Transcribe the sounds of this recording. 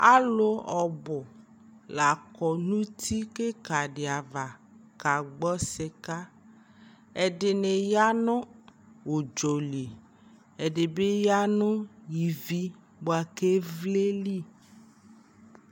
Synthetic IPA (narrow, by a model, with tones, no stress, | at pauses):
a˦lo˦ɔ˨bɔ˨ | la˨kɔ˨nũ˦t̪ʰi˦ke˦ka˨ɖe˨a˨va˨ | ka˨ɡ͡bɔ˦se˨ka˦ | e˨ɖɪ˨ne˨ja˦nõ˦ | wo˨d͡ʒo˨li˨ | e˨ɖe˨be˦ja˦nõ˦ji˨vi˦ | bo˨a˨ke˦vle˦li˦